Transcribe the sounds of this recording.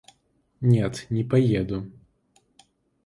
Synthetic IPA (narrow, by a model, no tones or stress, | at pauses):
nʲɛt̪nʲɛpajɛd̪u